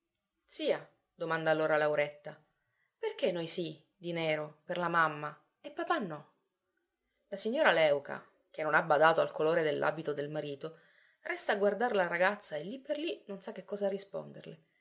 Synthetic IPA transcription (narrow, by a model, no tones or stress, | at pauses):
t̪siːa | d̪omand̪aːlːoːɾalawɾet̪ːa | perk̟enːojsi | d̪inɛːɾoperlamamːa | epːapanːɔ | lasiɲːoːɾalɛwkʰa̰ | k̟enːonabːad̪aːt̪oalkoloːɾed̪elːʔa̰ːbit̪od̪elmaɾiːt̪o | rɛst̪aːɡward̪aɾlaraɡat̪sːaelːipːerlinonsakːekːɔːzarːispo̰nd̪ḛrle